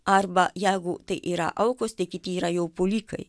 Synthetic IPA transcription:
ʔaɾbaʔjaɡoʔt̪eʔiɾa̰ʔawkost̪ekit̪iɾajowpolikʰə̰j

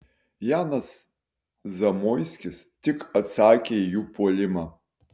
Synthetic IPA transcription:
jaːnɐs | zɐmojsʲkʲɪstʲɪkɐtsaːkʲeijupʰoːlʲɪmɐ

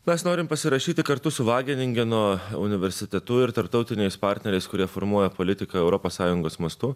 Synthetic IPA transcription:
mʲɛsnoːɾʲɪmpɐsʲɪɾɐʃʲiːt̪ʲɪkɐɾt̪ʊsʊʋɑːɡʲɪnʲɪŋʲɡʲɛnuoɔʊnʲɪʋʲɛɾʲsʲɪt̪ʲɛt̪ʊɪɾt̪ɐɾp̚t̪ɒʊt̪ʲɪnʲɛɪspɑɾʲt̪ʲnɛɾʲɛɪskʊɾʲiɛfoɾmuɔjɛpolʲɪt̪ʲɪkɐɛʊɾɔpoːssɑːjʊŋɡoːsmɐst̪ʊ

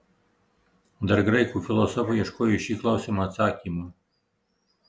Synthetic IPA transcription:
d̪ɐɾɡɾɐɪkuːfʲɪlˠɔsɔfujɛʃkoːjuʃʲiːklˠɐʊsʲemɐt̪sɑːkʲimu

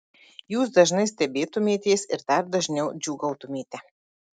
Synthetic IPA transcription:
juːsd̪ɐʒnɐɪsʲt̪ʲɛbʲeːt̪ʊmʲeːt̪ʲeːsɪɾd̪ɐɾd̪ɐʒʲnʲɛʊd͡ʒʲuːɡɐʊt̪ʊmʲeːt̪ʲɛ

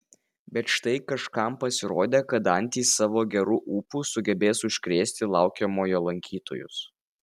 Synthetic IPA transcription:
bʲɛt̪ʃt̪ɐɪkɐʃkɐˑmpɐsʲɪɾoːd̪ʲeːkɐt̪ɐnʲt̪ʲiːsɑːʋoːɡʲɛɾuːʔuːpuːsʊɡʲɛbʲeːsʊʃʲkɾʲeːsʲt̪ʲɪlˠɑˑʊkʲɛmoːjoːlˠɐŋʲkʲiːt̪ʰo̰ːjʊ̰s

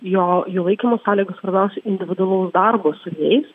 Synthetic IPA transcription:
joːjuːlˠɐɪkʲimoːsɑːlʲiːɡospɐɾnɑːʊsʲɛɪnʲd̪ʲɪʋʲɪd̪ʊɐlˠɐʊsd̪ɑɾboːsʊjɛɪs

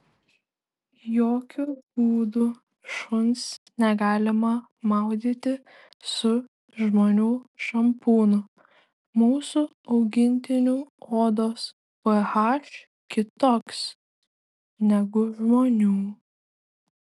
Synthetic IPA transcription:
joːkʲʊbuːd̪ʊ | ʃʊnsnʲɛɡɑːlʲɪmɐ | mɑˑʊd̪ʲiːt̪ʲɪ | sʊ | ʒmoːnʲuːʃɐmpuːnʊ | muːsʊ | ɒʊɡʲɪnʲt̪ʲɪnʲuoːd̪oːs | pɛhɑːʃ | kʲɪt̪oːks | nʲɛɡʊʒmoːnʲuː

